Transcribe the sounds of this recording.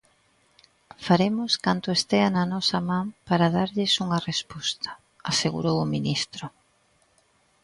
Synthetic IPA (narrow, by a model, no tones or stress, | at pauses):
faɾemʊskant̪ʊest̪eanɐnɔsɐmãmpaɾaðaɾʎɪsuŋɐrespɔst̪ɐ̥ | aseɣṵɾowʊminist̪ɾʊ